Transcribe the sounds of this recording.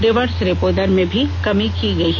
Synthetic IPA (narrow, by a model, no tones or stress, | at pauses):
ɖɪʋəɾsɾepoːd̪əɾmẽbʱikɐmikiɡɐiɦ